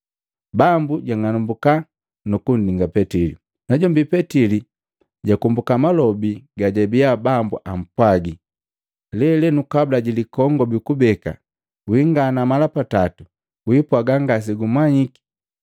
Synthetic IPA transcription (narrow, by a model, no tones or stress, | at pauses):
bambuɟaŋanumbuka | nukun̩diŋɡapɛtilḭ | naɟɔmbipɛtili | ɟakumbukamalɔbiɡaɟɛbiabambuʔam̩pwaɡi | lɛlɛnukablaɟilikɔŋɡɔbikubɛka̰ | wiŋɡanamalapatatu | wipwaɡaŋɡas̬iɡumwaɲiki̥